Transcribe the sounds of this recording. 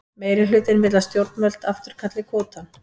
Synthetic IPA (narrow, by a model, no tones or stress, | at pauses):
meːjɾɪlʏːt̪ɪnvɪt̪last̪jowɾ̥t̪mœl̥t̪aft̪ʏɾ̥kʰat̪lɪkʰɔːt̪an